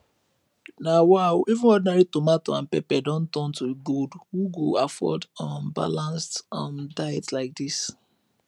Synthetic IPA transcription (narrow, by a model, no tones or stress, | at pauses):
nawaʊivũnɔdinaɹitomatoãnpɛpɛdɔ̃ntɔ̃ntuiɡodhuɡoafɔ̰dãnba̰lãnstãndaɛtlaɪk̚dis